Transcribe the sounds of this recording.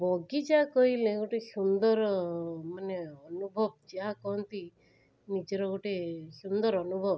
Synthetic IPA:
bɔɡid͡ʒaakɔɦilẽɡoʈesund̪ɔɾmaneɔnubʱɔbd͡ʒaakɔɦɔnt̪i | nid͡ʒɔɾɔɡoʈesund̪ɔɾɔnubʱɔb

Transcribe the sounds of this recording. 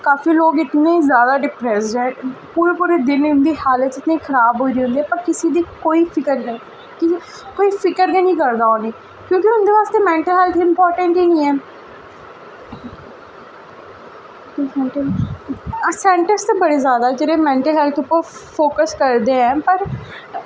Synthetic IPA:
kaːfiːloːɡɪt̪neːzjaːd̪aːɖɪpɾɛːsɛ̃ːpuːɾeːpuːɾeːd̪ɪnɪnd̪iːhaːlət̪ɪt̪neːkʰəɾaːbɦoːiɾiːɦʊ̃nd̪iːɛːpəɾkɪsid̪iːkoːiːpʰɪkəɾɦɛː | kɪ | koːiːfʰɪkəɾɡeːnĩːkəɾd̪aːoːneː | kjõːkiʊnd̪eːʋaːst̪eːmɛ̃ːɳʈəlɦɛːlt̪ʰɪmpɔːɾʈə̃ɳʈiːnĩːɛː | sɛɳʈə | sɛ̃ːɳʈəɾst̪eːbəɽeːzjaːd̪ad͡ʒəɾeːmɛ̃ːɳʈəlɦɛːlt̪ʰʊpːəɾfʰoːkəskəɾd̪eːɛ̃ːpəɾ

